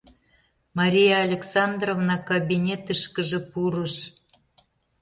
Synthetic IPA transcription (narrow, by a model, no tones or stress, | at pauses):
mɑɾʲijɑːlʲeksɑnd̪rovnɑkabʲinʲet̪ɨʃkəʒə̆puɾəʃ